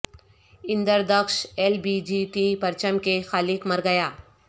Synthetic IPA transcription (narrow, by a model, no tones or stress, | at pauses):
ɪ̃nd̪əɾd̪əkʃeːlbid͡ʒiʈipɐɾt͡ʃəmkexaːlɪkmɐɾɡɐjaː